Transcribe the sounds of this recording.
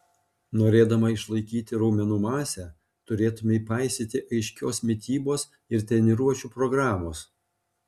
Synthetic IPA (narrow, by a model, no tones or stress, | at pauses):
noːɾʲeːd̪ɐmɐɪʃlˠɐɪkʲiːt̪ʲɪɾɐʊmʲɛnuːmɑːsʲɛː | t̪ʊɾʲeːt̪ʊmʲɛiːpɑˑɪsʲɪt̪ʲɪʔɐɪʃʲkʲoːsmʲɪt̪ʲiːboːs | ɪɾt̪ʲɛnʲɪɾuɔt͡ʃʲuːpɾɔɡɾɑːmoːs